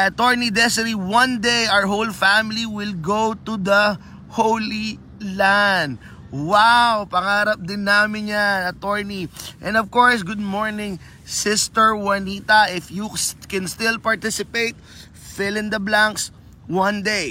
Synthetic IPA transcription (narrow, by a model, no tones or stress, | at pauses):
ʔɐt̪ɔɹnid̪ɛsɪɾiwɐ̃nd̪ejʔawəɹɦowlfæmɪliwɪlɡowt̪ud̪ɐ | howli | land̪̚ | wawpɐŋaːɾɐp̚d̪ɪnːaːmɪ̃njanɐt̪ɔɹniʔɛ̃nd̪ɔvkɔɹsɡʊd̪̚moɹnɪ̃ŋ | sɪst̪ɛɹwɐnit̪ɐʔɪfjukɛ̃nst̪ɪlpɐɹt̪ɪsɪpejt̪̚ | fɪlɪ̃nd̪ɐblãŋks | wɐ̃nd̪ej